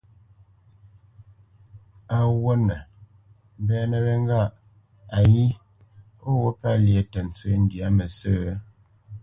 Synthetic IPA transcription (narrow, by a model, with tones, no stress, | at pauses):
a˨wo˦nə˨˦ | bɛ˦nə˦˨bɛ˦ŋ˦ɡa˦˨ʔ | a˨ji˦ | o˦wo˦pa˦lje˨tɛ˨n̩˨t͡se˦n̩˨di˨a˨˦mə˨sə˦˨˦